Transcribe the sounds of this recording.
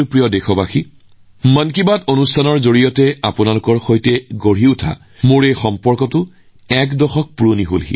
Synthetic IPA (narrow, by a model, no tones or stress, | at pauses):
jpɹijɔdexʰɔbaxi | mənkibatonustʰanɔɹzoɹijɔtɛapʊnalʊkɔɹxojtɛɡoɹɦiʊtʰa̰ | moɹejxɔmpɔɹkɔtʊ | ɛkdɔxɔk̚puɹoniɦolɦḭ